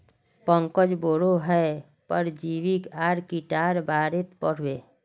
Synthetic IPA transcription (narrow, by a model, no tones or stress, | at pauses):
pəŋkəd͡ʒboːɽoɦɛ | pəɾd͡ʒiːwikaːɾkiʈaːɾbaːɾet̪pəɽ̤weː